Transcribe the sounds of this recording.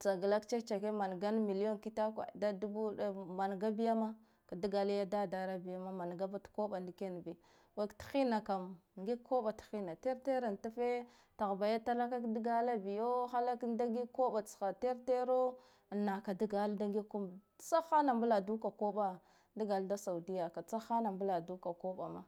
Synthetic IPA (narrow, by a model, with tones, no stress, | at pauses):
t͡sa˨ɡa˨la˦kt͡ʃe˦t͡ʃa˨ke˦ma˨n˨ɡa˦n˦mi˨li˦o˦nki˦ta˦kʷa̰˨da˦du˦bu˦a˦ma˨n˨ɡa˦bi˦ja˦ma˦ | ka˨di˦ɡa˨la˦ja˦da˦da˨ɾa˦bi˨ja˦ma˦ma˨n˨ɡa˦ba˦tko˦ɓa˨ndi˨˦ke˦n˨bi˨ | wa˨ktxi˦na˨ka˨mŋɡi˦kʰːo˦ba˨txi˦na˨te˦ɾte˦ɾa˨nta˦fe˦ | ta˨ɣba˨ja˦ta˦la˦ka˦kdi˦ɡa˦la˦bi˨jo˦xa˦la˦kda˦ɡi˦kːo˦ɓa˨t͡sxa˨te˦ɾte˦ɾo˦˨ | nːa˨ka˨di˦ɡa˨lda˦ŋɡi˦kːu˦m | t͡sa˦xa˦na˨mbu˦la˨du˦ka˨ko˦ɓa˦ | di˦ɡa˨lda˦sa˨u˨di˦ja˨ka˨t͡sa˦xa˦na˨mbu˦la˨du˦ka˨ko˦ɓa˨ma̰˦